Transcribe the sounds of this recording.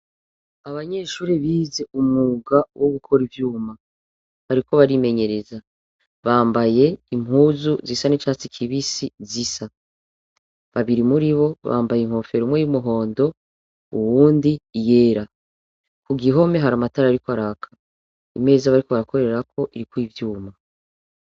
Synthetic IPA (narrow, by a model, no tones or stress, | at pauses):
aβaɲe̞ːʃuːɾiβiːze̞ʔumŋuɡawʔoɡukʰo̞ɾivjuːma | βaɾiko̞βaɾime̞ɲe̞ɾe̞za | βaːmbaje̞imhuːzuzisanit͡ʃaːt͡sikʰiβisizisa | βaβiɾimuɾiβo̞βa̰ːmbajem̥ho̞fe̞ɾomŋwe̞jumuɦo̞ːndo̞ | uwuːndije̞ːɾa | kuɡiɦo̞me̞ɦaɾamataɾaaɾikoaɾaːkʰḁ | ime̞ɾezaβaɾiko̞βaɾako̞ɾee̞ɾakʰo̞ʔiɾikwivjuːma